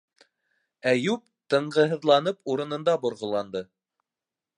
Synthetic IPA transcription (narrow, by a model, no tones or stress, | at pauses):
æjʉp̚ | t̪ɤ̆ɴɢɤ̆ɦɤ̆ðlˠɑnɤpuɾɤ̆nɤ̆nd̪ɑbŏɾʁŏlˠɑnd̪ɤ